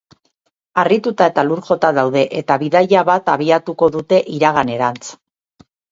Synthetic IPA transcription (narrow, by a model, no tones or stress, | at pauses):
arit̪ut̪ae̞t̪aluɾʝo̞t̪aðawðe̞ʔe̞t̪aβiðajaβat̪aβ̞iat̪uko̞ðut̪e̞ʔiɾaɣ̞ane̞ɾant͡s